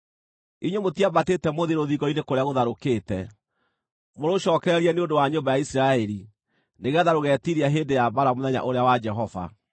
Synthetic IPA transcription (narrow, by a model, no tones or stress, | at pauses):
iɲwemotiabatetɛmoðiɾoðiɣɔinekoɾeaɣoðaɾokeːtɛ | moɾoɕɔːkɛɾɛɾiɛneondowaɲobajaisɾaɛɾi | neɣaðaɾoɣɛtiɾiaɦeːndejabaɾamoðɛɲa̰ʔoɾeawad͡ʒɛɦɔva̰